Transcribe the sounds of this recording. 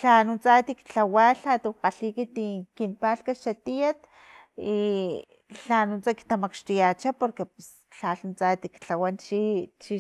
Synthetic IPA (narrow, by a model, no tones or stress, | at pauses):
ɬanunt͡sat̪ikt͡ɬawaɬat̪uqaɬikit̪ikinpaɬkaʃat̪ijat̪ | i | ɬanunt͡saki̥t̪amakʃt̪ijat͡ʃapoɾkepes | ɬaɬunt͡sat̪ikt͡ɬawant͡ʃit͡ʃi